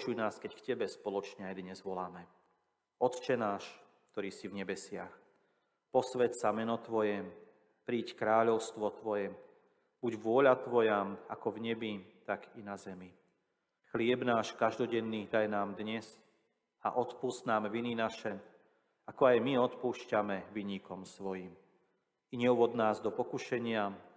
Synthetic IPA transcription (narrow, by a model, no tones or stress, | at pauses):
t͡ʃujnaːskɛckcɛbɛspɔlɔt͡ʃɲɛajd̪ɲɛzʋɔlaːmɛ | ɔt̪t͡ʃɛnaːʃ | k̚t̪ɔɾiːsivɲɛbɛsɪax | pɔsʋɛtsamɛnɔt̪ʋɔjɛ | pɾiːckɾaːʎɔʊst̪ʋɔt̪ʋɔjɛ | b̥uɟʋʊɔʎat̪ʋɔjama̰kɔvɲɛbit̪aɡinazɛmi | xlɪɛbnaːʃkaʒd̪ɔɟɛnːiːd̪ajnaːmd̪ɲɛz | a̰ʔɔt̪puːst̪naːmʋininaʃɛ | akɔajmiɔt̪puːʃcamɛʋiɲikɔmsʋɔjim | iɲɛuʋɔd̪naːzd̪ɔpɔkuʃɛɲɪa